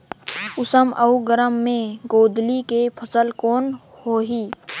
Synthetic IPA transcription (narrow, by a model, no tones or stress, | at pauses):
ʊsəmʔɐuɡəɾəmːẽɡoːd̪likepʰəsəlkoːn | hoːɦiː